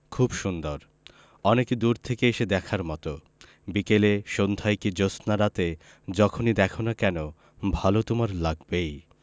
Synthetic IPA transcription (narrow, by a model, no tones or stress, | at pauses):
kʰubʃund̪oɾ | ɔnekid̪uɾt̪ʰekeeʃed̪ɛkʰaɾmɔt̪o | bikeleʃond̪ʱajkid͡ʑosnaɾat̪e | d͡ʑɔkʰonid̪ɛkʰonakɛno | bʱalot̪omaɾlaɡbej